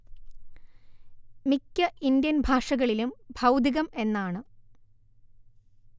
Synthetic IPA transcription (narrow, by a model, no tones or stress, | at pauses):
mikʲːɐʔindjɐnbʱaːʂɐɣɐɭilumbʱɐwd̪ʱiɣɐme̞nːaːɳɨ